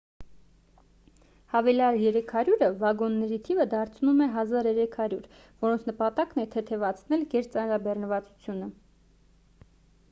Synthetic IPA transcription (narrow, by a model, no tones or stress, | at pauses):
hɑvɛlɑɾjɛɾɛkʰɑɾjuɾəvɑɡɔnːɛɾit̪ʰivəd̪ɑɾt͡sʰnumɛɦɑzɑɾɛɾɛkʰɑɾjuɾ | vɔɾɔnt͡sʰnəpɑt̪ɑknɛt̪ʰɛt̪ʰɛvɑt͡sʰnɛlɡɛɾt͡sɑnɾɑbɛrnəvɑt͡su̥t͡sʰjunə